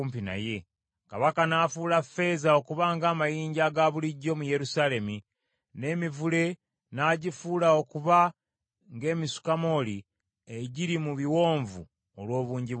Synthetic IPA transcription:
mpina̰je̞ | kaβakanaːfuːlafe̞ːzao̞kuβaŋɡaːmajiːɲɟaɡaβuliɟːo̞muje̞ɾusaːle̞mi | ne̞ːmivule̞ | naːɟifuːlao̞kuβa | ŋɡe̞ːmisu̥kamo̞ːli | eɟiɾimuβiwo̞ːɱvṵ | olwo̞ːβuːɲɟiβ

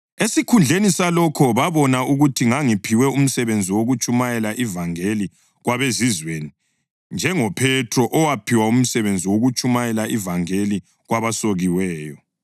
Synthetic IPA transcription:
esikʰund͡ɮʱenisalɔkʰɔβaβɔnauɣutʰiŋaŋipʰiwɛum̩sɛβend͡zʱiwoɣut͡ʃʼumajɛlaʔivaŋeli | ɣwaβezizweni | nd͡ʒʱɛŋɔpʰɛtʰrɔʔɔwapʰiwaum̩sɛβend͡zʱiwoɣut͡ʃʼumajɛlaʔivaŋeli | ɣwaβasoɣiwɛːjɔ

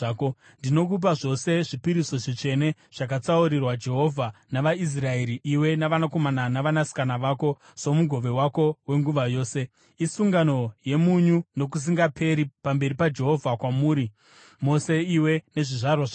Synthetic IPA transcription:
ko | ndino̞kup̬aʐo̞se̞ʐipiɾiso̞ʐit͡ʂe̞ne̞ | ʐ̥ak̬at͡sauɾirwad͡ʒe̞ɦo̞vʱanaʋais̬rae̞ɾiʔiwe̞naʋanako̞mananaʋanasi̥kanaʋako̞ | so̞muɡʱo̞ʋe̞wako̞we̞ŋɡuʋajo̞ːse̞ | isuŋɡano̞je̞muɲuno̞k̬us̬iŋɡapʰe̞ɾipambe̞ɾipad͡ʒe̞ɦo̞vʱakwamuːɾi | mo̞se̞iwe̞ne̞ʐiʐarwaʐa

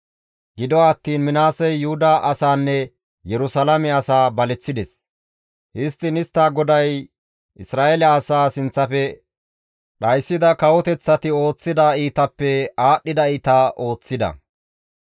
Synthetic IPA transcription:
ɡɪd̪ɔːt̪ːiːnmɪnaːsɛjːʊhʊd̪ɐʔɐsaːnːɛ | jɛɾʊsɐlɐmɛɐsaːbɐlɛt͡sːɪd̪ɛs | hɪst̪ːɪnɪst̪ːaːɡɔd̪ɐj | ʔɪsɾaːelɛɐsaːsɪnt͡sːɐfɛ | ɗɐjsːɪd̪ɐkɐwɔt̪ɛt͡sːɐt̪ɪo̞ːt͡sːɪd̪aiːt̪ɐpːɛaːɗːɪd̪ɐiːt̪aːʔo̞ːt͡sːɪd̪ɐ̰

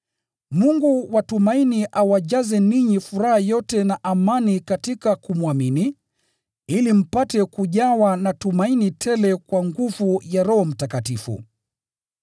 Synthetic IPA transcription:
muŋɡuwatumainiʔawaʄazɛniɲifuɾahajɔtɛnaʔamanikatikakumwamini | ilim̩patɛkuʄawanatumainitʰɛlɛkwaŋɡuvujaɾɔɦɔm̩takatifṵ

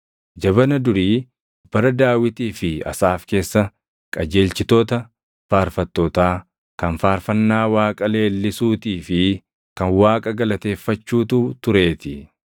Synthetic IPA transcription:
d͡ʒɐβɐnɐd̪ʊɾiː | b̥ɐɾɐd̪aːwɪt̪iːfɪɐ̰saːfke̞ːsːɐ | kʼɐd͡ʒe̞ːlt͡ʃɪt̪oːt̪ɐ | faːɾfɐt̪ːoːt̪aː | kɐnfaːɾfɐnːaːwaːkʼɐle̞ːlːɪsuːt̪iːfɪ | kɐnwaːkʼɐɡɐlɐt̪e̞ːfːɐt͡ʃːuːt̪uːt̪ʊɾe̞ːt̪ɪ

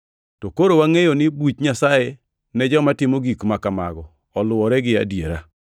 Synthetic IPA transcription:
tokoɾowaŋejonɪbut͡ʃɲasaje | nɛd͡ʒɔmatɪmoɡikmakamaɡɔː | lʊwɔɾɛɡɪa̰djeɾa

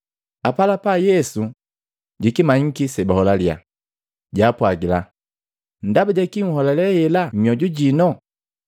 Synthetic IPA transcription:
apalapajɛsu | ɟikimaɲ̩kisɛbahɔlalja̰ | ɟapwaɡila | ndabaɟakiŋ̩hɔlɛlɛhɛlamiɔɟuɟinɔ

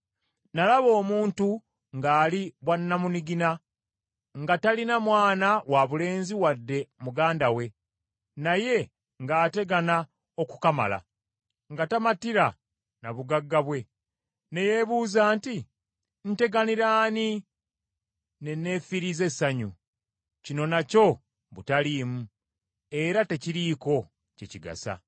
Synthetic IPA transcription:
nalaβo̞ːmuːntu | ŋɡaːliβwanːamuniɡina | ŋɡatalinamwaːnawaβule̞ːnziwadːe̞muɡaːndawe̞ | naje̞ | ŋɡaːte̞ɡana | o̞ku̥kama̰la̰ | ŋɡatamatiɾa | naβuɡaɡːaβwe̞ | ne̞je̞βuːzaːnti | n̩te̞ɡaniɾaːni | ne̞ne̞ːfiɾize̞sːaɲṵ | cino̞naco̞ | βutaliːmu | e̞ɾate̞ciɾiko̞ | ceciɡa̰sa̰

